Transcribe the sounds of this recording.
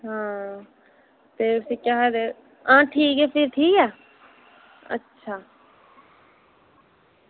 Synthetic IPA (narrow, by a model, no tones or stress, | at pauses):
ɦãː | t̪eːʊsiːkjaɦɛd̪eː | ãːʈʰiːkɛːpʰɪɾʈʰiːkɛː | ə̰tːʃʰaː